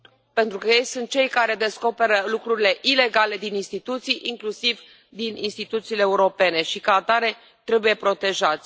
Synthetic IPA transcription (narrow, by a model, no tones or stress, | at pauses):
pe̞nt̪ɾukəje̞jsunt̪̚t͡ʃe̞jkaɾe̞d̪e̞sko̞pe̞ɾəlukɾuɾile̞ʔile̞ɡale̞d̪ininst̪it̪ut̪sijʔiŋklusiv | d̪ininst̪it̪ut̪siːleːuɾo̞pe̞ne̞ʃikaːt̪aɾe̞ | t̪ɾe̞buje̞pɾo̞t̪e̞ʒat̪sʲ